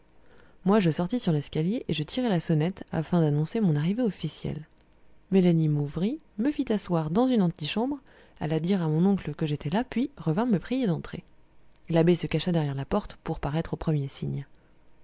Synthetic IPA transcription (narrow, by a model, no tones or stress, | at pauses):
mwaʒəsɔʁt̪isyʁlɛskʲaljeʔeʒət̪ʰiʁɛlasɔnɛt̪a̰fɛ̃d̪anɔ̃semɔ̃naʁiveɔfisjɛ̰l | melanimuvʁi | məfit̪aswaʁd̪ɑ̃zynɑ̃t̪iʃɑ̃bʁ | a̰lad̪iʁamɔ̃nɔ̃kləkəʒet̪ɛlapɥiʁəvɛ̃məpχijed̪ɑ̃t̪χe | labesəkaʃad̪ɛʁjɛʁlapɔʁt̪puʁpaʁɛt̪χopχəmjesiɲ